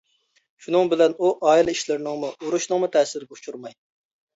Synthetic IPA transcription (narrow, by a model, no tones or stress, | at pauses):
ʃunɨŋbɪlɛnuʔɑːilɪiʃlɪɾnɪŋmuuɾuʃnɨŋmut̪ʰɛːsɪɾɪɡʲɛu̥t͡ʃʰuɾmɑj